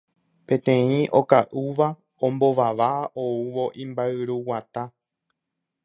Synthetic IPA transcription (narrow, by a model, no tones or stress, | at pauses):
pẽ̞t̪ẽ̞ĩʔo̞̰kaʔuʋa | õmbo̞ʋaʋaʔouʋo̞ʔĩmbaɨɾuwat̪a